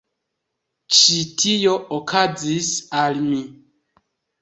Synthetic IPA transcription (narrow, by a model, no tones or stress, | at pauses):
t͡ʃitʰijo̞okʰazisalmi